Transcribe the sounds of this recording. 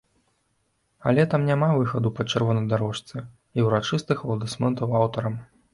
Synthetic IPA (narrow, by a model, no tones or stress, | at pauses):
ɐ̰lʲɛt̪amnʲamavɨxɐd̪upɐt͡ʂɐrvɔnɐjd̪aɾɔʂt̪sɛ | iwɾat͡ʂɨst̪ɨxvɐlˠd̪ɨsmɛnt̪ɐwawt̪ɐɾɐm